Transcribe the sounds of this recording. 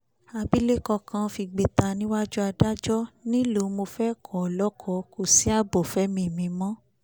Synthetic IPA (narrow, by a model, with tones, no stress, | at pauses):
a˧bi˦le˦kɔ˧kã˧fi˧ɡ͡be˧ta˧nĩ˦wa˦d͡ʒu˦a˧da˦d͡ʒɔ˦nĩ˦lo˨˦mo˧fɛ˦kʰɔ˨lɔ˦kʰɔ˧˦ko˨si˨˦a˦˨bɔ˨fɛ˦mĩ˧˦˨mĩ˧mɔ̃˦